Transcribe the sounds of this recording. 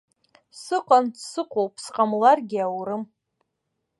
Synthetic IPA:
sɨqʼansɨqʷʰʼowpʰsqʼamlarɡʲɪawɾɨm

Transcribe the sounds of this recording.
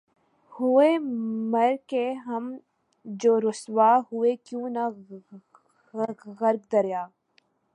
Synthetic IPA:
hʊemɐɾkeɦɐm | d͡ʒoːɾʊswaːɦʊekjũːna | ɣəɾɡ̚d̪əɾjaː

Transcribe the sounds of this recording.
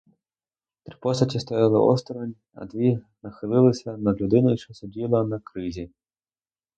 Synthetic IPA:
t̪ɾipɔsɐtʲist̪ɔjalˠɪʔɔ̰st̪ɾɐnʲ | ɐ̰d̪ʋʲi | nɐxɪlˠɪlˠɪsʲɐnɐɦlʲʊd̪ɪnʊjʃt͡ʃɔsʊdʲilˠɐnɐkɾɪzʲi

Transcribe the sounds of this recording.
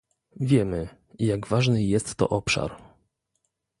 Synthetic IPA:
vʲjɛmɘ | jaɡvaʐnɘjɛst̪ːɔ̰ʔɔpʂa̰ɾ

